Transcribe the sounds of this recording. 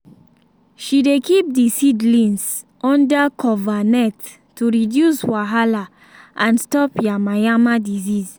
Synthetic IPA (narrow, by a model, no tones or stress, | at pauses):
ʃidekip̚disidlĩns | ʔɔ̃ndakʰɔvanɛtː | uɹidjuswaɦala | ʔãnstɔpjamajamadiziz